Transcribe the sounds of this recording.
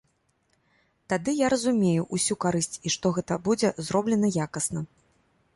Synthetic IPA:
t̪ad̪ɨjaɾɐzumʲejuʔusʲukaɾɨsʲt͡sʲiʂt̪ɔɣɛt̪ɐbud͡zʲɛzɾɔblʲɛnɐjakɐsnɐ

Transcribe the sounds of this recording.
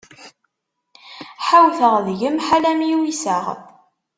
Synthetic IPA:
ħawθəʁðʝəmħalæmjiwisəʁ

